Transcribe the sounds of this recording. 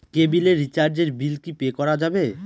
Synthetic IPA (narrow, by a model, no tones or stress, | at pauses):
kebileɾit͡ɕaɾd͡ʑeɾbilkipekɔɾad͡ʑabe